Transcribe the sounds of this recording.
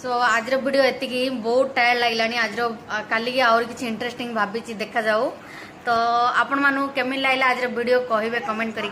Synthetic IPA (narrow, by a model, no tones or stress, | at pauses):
soad͡ʒɾɔbʱiɽijoet̪ikibɔut̪̚ʈajəɽlaɡilaaːɽ̃iad͡ʑɾokaliɡiawɾkit͡ɕʰiːɳʈɾesʈĩŋɡbʱabit͡ɕid̪ekʰad͡ʒau | t̪ɔapəɳ̃manũkemilajlaad͡ʑɾɔbʱiɽijokɔɦibekɔmẽɳʈ̚kəɾi